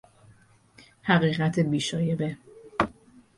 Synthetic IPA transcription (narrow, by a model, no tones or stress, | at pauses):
hæɣiːɣæt̪ʰebiːʃɒːjebe